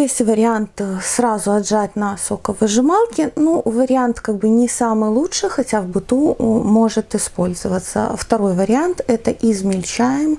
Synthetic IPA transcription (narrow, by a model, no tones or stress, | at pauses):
jesʲtʲvəɾʲɪant̪sɾazʊɐdʐatʲnɐsokəvɨʐɨmalˠkʲɪnuvəɾʲɪant̪kaɡ̚bɨnʲɪsamɨjlˠuʂɨjxɐtʲavbɨt̪umo̞ʐɨt̪ɨɪspo̞lʲzəvət̪sə̰ft̪ɐɾo̞jvəɾʲɪant̪ɛt̪əʔizmʲɪlʲt͡ɕæjɪm